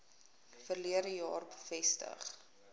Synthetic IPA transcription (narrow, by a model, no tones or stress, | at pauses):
fərliəɾəjɑːrbəfɛstə̰χ